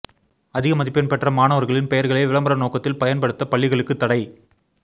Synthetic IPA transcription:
ɐðɪɣɐmɐðɪpːɪnpɛʈrɐmaːnɐʋɐɾɣɐɭɪnpɛjɐɾɣɐɭɐɪʋɪɭɐmbɐɾɐnoːkɐt̪ːɪlpɐjɐnpɐɽɯt̪ːɐpɐɭːɪɣɐɭɯkːɯt̪ːɐɽɐɪ

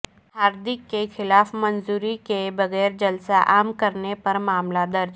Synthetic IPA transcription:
ɦaːɾd̪ɪkːexɪlaːfmɐnzuːɾikebɐɣɛːɾd͡ʒɐlsaʔaːmkɐɾnepɐɾmaːmlad̪ɐɾd͡ʒ

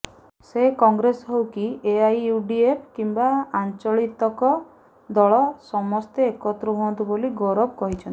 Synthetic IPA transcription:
sekɔŋɡɾesɔɦewkieajuɖiepʰkimbaant͡ʃɔɭit̪ɔkɔ | d̪ɔɭɔsɔmɔst̪eːkɔt̪ɾɔɦuɔ̃nt̪uboliɡɔɾɔbkɔɦit͡ʃʰɔni

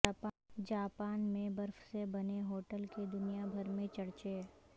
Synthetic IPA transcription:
ap | d͡ʒaːpaːnmẽbɐɾfsebɐneɦoːʈəlked̪ʊnijabʱɐɾmẽt͡ʃɐɽt͡ʃe

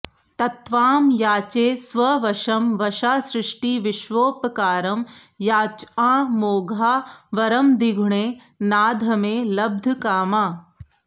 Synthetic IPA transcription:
t̪ɐt̪ʋaːmjaːt͡ʃeːsʋɐʋɐʃɐmʋɐʃaːsɾɪʂʈiːʋɪʃʋoːpɐkaːɾɐm | jaːt͡ʃãːmoːɡʱaːʋɐɾɐmd̪iɡʱɳeː | naːd̪ʱɐmeːlɐb̚d̪ʱkaːmaː

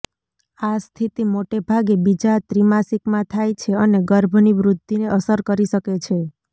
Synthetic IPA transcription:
ast̪ʰit̪imoʈebʱaɡebid͡ʒat̪ɾimasikmãt̪ʰajt͡ʃʰeəneɡəɾbʱniʋɾʊt̪ːineʔəsəɾkəɾiʃəket͡ʃʰe

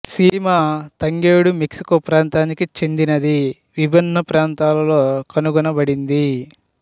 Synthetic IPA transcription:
siːmaːt̪ɐŋɡeːɽumiksi̥kopɾaːnt̪aːnikit͡ʃend̪inɐd̪i | ʋibʱɐnːɐpɾaːnt̪aːlɐlo̞ːkɐnuɡunɐbɐɽind̪i

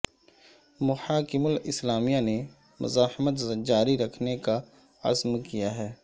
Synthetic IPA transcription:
mʊħaːkɪmʊlɪslaːmijane | mʊ̰zaːhmət̪d͡ʒaːɾiɾɐkʰneka | ɐ̰zmkijaɦɛː

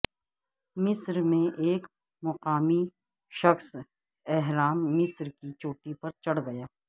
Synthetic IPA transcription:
mɪsɾmẽʔeːk | mʊqaːmi | ʃɐxs | ɛɦɾaːmːɪsɾkit͡ʃoːʈipɐɾt͡ʃɐɽɡɐjaː

